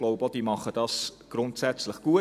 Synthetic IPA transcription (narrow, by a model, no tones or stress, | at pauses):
loʊbod̥iːmɑχəd̥ɑsɡ̥ɾʊntsæt͡sləχɡ̥uə